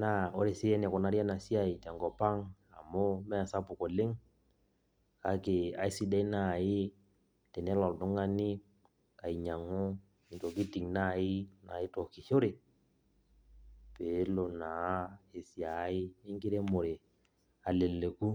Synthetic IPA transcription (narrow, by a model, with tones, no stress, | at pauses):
na˦˨o˦ɾe˨sɪ˦ɛ˦nɛ˨kɔ˨na˨˦ɾa˦na˨si˦a˦˨i˨tɛ˨ŋɡɔ˨pa˦ŋ | a̰˨mo˦mɛ˦˨sa˦pʊ˨ko˨lɪ˦ŋ | ka˦ke˨a̰˨i˦si˦dɛ˦i˦na˨ɪ˦ | tɛ˨nɛ˦lɔ˨ldʊ˦ŋa˦ni˦ | ka˨i˨ɲa˨ŋʊ˦ | i˨to˨ki˦ti˨ŋna˦˨ɪ˦na˨ɪ˦to˨kɪ˨ʃo˦ɾe˨ | pe˨˦lo˨na˨˦e˨si˨a˨˦ɪ˦ɪ˦ŋɡɪ˦ɾe˦mo˨ɾe˨ | a˨le˨le˨ku˦